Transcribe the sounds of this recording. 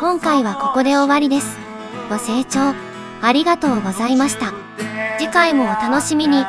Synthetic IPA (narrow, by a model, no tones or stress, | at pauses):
kõ̞ŋkaiβ̞ako̞ko̞d̪e̞oβaɾʲid̪e̞sɨ̥ | ɡ̥o̞se̞ːt͡ɕo̞ː | aɾʲiɡat̪o̞ːɡo̞zaimaɕi̥t̪a | d͡ʑikaimo̞ːt̪ano̞ɕimʲiɲ̟i